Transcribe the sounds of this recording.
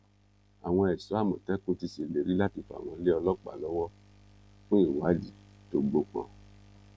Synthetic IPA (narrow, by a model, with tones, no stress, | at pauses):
a˨w̃ɔ̃˧ɛ˨su˨˦a˦˨mõ˨tɛ˦kũ˦ti˧se˨le˨ɾi˦la˦ti˧fa̰˨w̃ɔ̃˧le˦ɔ˧lɔ˦k͡pa̰˨lɔ˨˦wɔ˦ | k͡pĩ˦i˨wa˨˦d͡ʒi˦˨ | to˨˦ɡ͡bo˧k͡pɔ̰̃˧˨